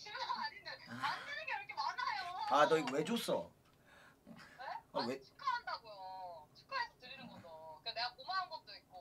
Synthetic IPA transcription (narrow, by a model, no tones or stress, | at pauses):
t͡ɕʰiɾaaɲindeand͈ʰɯnɯŋɡeikʰemanajoadʌiɡwed͡ʑos͈ʌ̰ | eaet͡ɕʰi̥k͈ʰaɦandaɡojot͡ɕʰi̥k͈ʰaasʰʌtɯɾinɯnɡʌsoik͈ane̞ɡakomaɦanɡʌt̚t͈oit̚k͈o